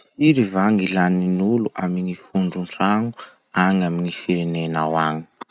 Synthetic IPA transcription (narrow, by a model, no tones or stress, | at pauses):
fiɾivaŋilaninuluʔaminifuɳɖ͡ʐuɳʈ͡ʂaŋu | aŋaminifiɾenenawaŋi̥